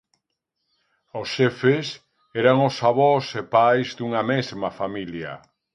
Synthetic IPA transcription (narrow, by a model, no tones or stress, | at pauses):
ʊsʃɛfes | ɛɾaŋʊsaβɔsepajzðuŋɐmezmafamilja̰